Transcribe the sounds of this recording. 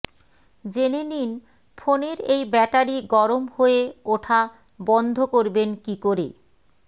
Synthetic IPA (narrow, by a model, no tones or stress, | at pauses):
d͡ʑenenin | fʰoneɾejbɛʈaɾiɡɔɾomhoeoʈʰa | bɔnd̪ʱokoɾbenkikoɾḛ